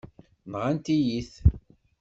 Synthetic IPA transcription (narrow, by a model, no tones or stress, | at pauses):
mʁant̪ijiθ